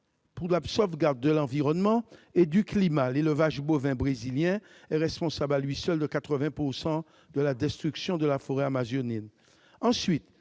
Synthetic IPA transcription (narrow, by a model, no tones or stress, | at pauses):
puʁlapsɔfɡaʁd̪̚ːəlɑ̃viʁɔnmɑ̃ed̪yklimaleləvaʒbovɛ̃bʁeziljɛ̃ | ɛʁɛspɔ̃sablalɥisœld̪əkat̪χəvɛ̃puʁsɑ̃ | d̪əlad̪ɛst̪χyksjɔ̃d̪əlafoʁɛamazɔnɛn | ɑ̃sɥit̪